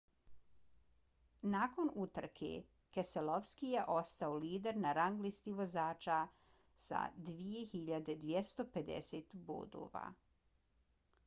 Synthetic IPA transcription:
naːko̞nut̪r̩kʰḛ | keseloʋskijeʔo̞st̪aoliːd̪eɾnaɾaŋɡlist̪iʋo̞zaːt͡ʃa | sa̰d̪ʋije̞xiʎad̪ed̪ʋjest̪oped̪ḛset̪bṵd̪o̰ːʋa̰

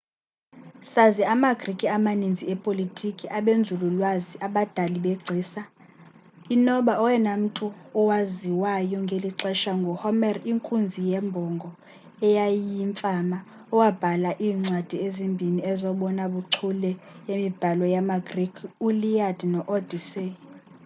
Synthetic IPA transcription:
saziamaɡ̥rikʼiamanind͡zʱiɛpʼolitʰʼikʼiʔaɓend͡zʱululwaziʔaɓad̥ʱaliɓɛɡ͡ǀʱiːsa | inɔɓaɔwɛnam̩tʼuːwaziwajɔŋɡʱeliǀɛʃaŋɡʱɔhɔmɛriŋkʼund͡zʱijɛmbʱɔŋɡʱɔ | ɛjajiɱfʼama | ɔwab̥ʱalaʔiːŋ͡ǀwad̥ʱiezimbʱiniɛzɔɓɔnaɓuǀʰulɛjemib̥ʱalɔjamaɡ̥rikʰulijad̥ʱnɔʔɔd̥ʱise

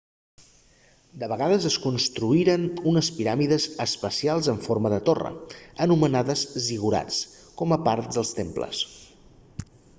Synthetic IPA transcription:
d̪əβəɣaðəzəskunst̪ɾuiɾənunəspiɾamiðəzəspəsialˠzəɱforməðət̪orə̰ənumənaðəzziɣuɾa̰t͡s | kɔməpaɾt̪̚d̪əlˠst̪emplə̰s

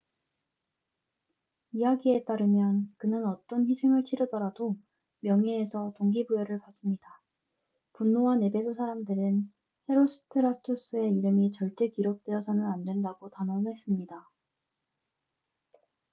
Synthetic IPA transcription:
ijaɡie̞t͈aɾɯmjʌnkɯnɯnʌt͈ʌnɸisʰe̞ŋɯɭt͡ɕʰiɾjʌdʌɾado | mjʌŋeːsʰʌtoŋɡibujʌɾɯɭpas͈ɯmɲida | punːoɦane̞be̞sʰosʰaɾamdɯɾɯn | he̞ɾos͈ʰɯ̥tʰɯɾastʰos͈ɯe̞iɾɯmit͡ɕʌɭt͈e̞kiɾok̚t͈weʌsʰanɯnandwe̞ndaɡotanʌnnɦe̞s͈ɯmɲida

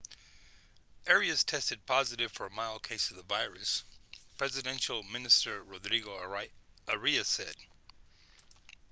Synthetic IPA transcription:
ʔɛɹiɨz̥tʰɛstɨd̚pʰɑzɨɾɨv̥fə˞ɨmaɪlˠkʰeɪsʌvðəvaɪɹɨspʰɹ̥ɛzɨdɛ̃nʃl̩ˠmɪ̃nɨstə˞ɹodɹiɡoʊ | əɹiɨsɛd̥

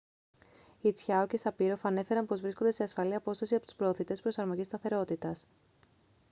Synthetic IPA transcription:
it͡sçɐoce̞sɐpiɾo̞fɐne̞fe̞ɾɐnpo̞zvɾisko̞nd̪e̞se̞ɐsfɐliɐpo̞st̪ɐsiɐpot̪u̥spɾo̞ːθit̪e̞spɾo̞sɐɾmo̞ʝist̪ɐθe̞ɾo̞t̪it̪ɐs

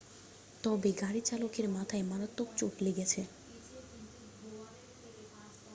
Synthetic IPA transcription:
t̪ɔbeɡaɾit͡ɕalokeɾmat̪ʰaemanot̪ːokt͡ɕoʈleɡet͡ɕʰe

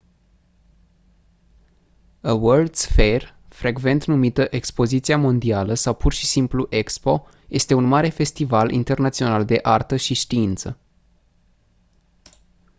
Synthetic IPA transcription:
əwəld̪sfer | fɾe̞ɡve̞nt̪numit̪əʔe̞kspo̞zit̪siamo̞nd̪ialəsawpurʃi̥simpluʔe̞kspo̞ | je̞st̪e̞unmaɾe̞fe̞st̪ivalʔḭnt̪e̞rnat̪sio̞nald̪e̞ʔart̪əʃiʃt̪iint̪sə

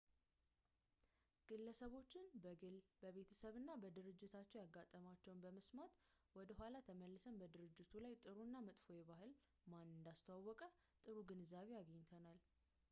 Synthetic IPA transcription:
ɡ̥ɨlːəsəβo̞t͡ʃːɪnbəɡɨlbəβe̞t̪ʰə̥səβɨnːabəd̪ɨɾɨd͡ʒːɪt̪ʰat͡ʃːɛwjaɡːat̪ʼːəmat͡ʃːɛwnbəməsmat̪wɔd̪əɦʷalat̪ʰəməlːɨsəmbəd̪ɨɾɨd͡ʒːɪt̪ʰulajt̪ʼɨɾunːamɨt̪ʼfo̞jɛβaɦɨl | manɨnd̪ast̪ʰəwawːɔkʼə | t̪ʼɨɾuɡɨnzaβejaɡəɲːt̪ʰənal

